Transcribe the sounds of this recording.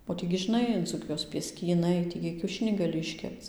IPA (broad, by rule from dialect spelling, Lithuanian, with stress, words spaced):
oː ˈtʲiː ɡʲɪ ʒʲɪˈnɐɪ d͡zuːˈkʲɪjoːs pʲiɛsʲkʲiːˈnɐɪ ˈtʲiː ɡʲɪ kʲɛʊˈʃʲɪnʲiː ɡɐˈlʲɪ ɪʃʲˈkʲɛpt͡s